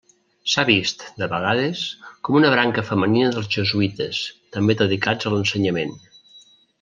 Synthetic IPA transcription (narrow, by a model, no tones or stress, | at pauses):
saβist̪d̪əβəɣ̞að̞əskɔmunəβɾaŋkəfəməninəðəlˠzʒəzuit̪əst̪əmbeðəðikad͡zələnsəɲəmen